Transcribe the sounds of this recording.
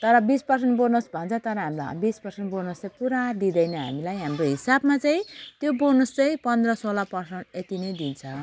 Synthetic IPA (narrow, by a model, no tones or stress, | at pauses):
t̪ʌɾʌbispʌrseɳʈbonosbʱʌnt͡sʰʌt̪ʌɾʌɦamil̰bispʌrseɳʈbonost͡sapuɾad̪id̪ʌjnʌɦa̰milajɦamroɦisabmat͡saĩt̪jobonost͡saĩpʌnd̪rʌsolapʌrsʌɳʈet̪inʌjd̪int͡sʰʌ